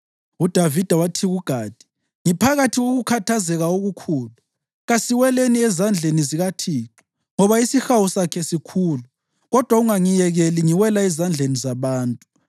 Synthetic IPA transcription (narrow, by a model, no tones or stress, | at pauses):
ud̥ʱavid̥ʱawatʰiɣuɡ̥ʱaːd̥ʱi̥ | ŋipʰaɣatʰiɣoɣukʰatʰazɛɣaoɣukʰuːlu | ɣasiwɛleniɛzand͡ɮʱeniziɣatʰiːtʰu̥ | ŋɔβaisixawusakʰɛsikʰuːlu | ɣɔd̥ʱwauŋaŋijɛɣɛliŋiwɛlaɛzand͡ɮʱenizaβaːntʼu